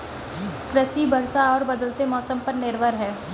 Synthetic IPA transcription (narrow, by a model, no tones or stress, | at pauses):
kɾəsibʱəɾsaɔːɾbɐd̪əlt̪emɔːsəmpɐɾnɪɾʋəɾɦɛː